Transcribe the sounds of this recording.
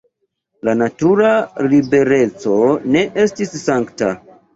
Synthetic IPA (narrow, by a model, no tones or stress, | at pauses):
lanatuɾalibe̞ɾe̞t͡so̞ne̞ʔe̞stisːaŋkta̰